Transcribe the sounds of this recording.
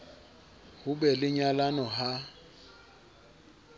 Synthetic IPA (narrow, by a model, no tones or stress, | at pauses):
hʊbɛlɪɲalanɔɦa